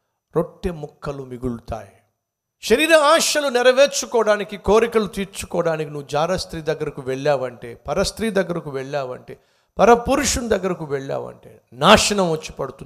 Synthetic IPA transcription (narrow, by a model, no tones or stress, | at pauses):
ɾoʈːemukʰːɐlumiɡulut̪a̰ːji | ʃɐɾiːɾɐaːʃɐlunɛɾɐʋeːt͡ʃukɔːɽaːnikiko̞ːɾikɐlut̪iːɾt͡ʃu̥kɔːɽaːnikinuʋːud͡ʒaːɾɐst̪ɾiːd̪ɐɡːɐɾɐkuʋɛɭːaːʋɐɳʈe̞ːpɐɾɐst̪ɾiːd̪ɐɡːɐɾɐkuʋɛɭːaːʋɐ̰ɳʈeː | pɐɾɐpuɾuʂund̪ɐɡːɐɾɐkuʋɛɭːa̰ːʋɐ̰ɳʈḛːnaːʂɐnɐmʋɐt͡ʃːi̥pɐɽut̪un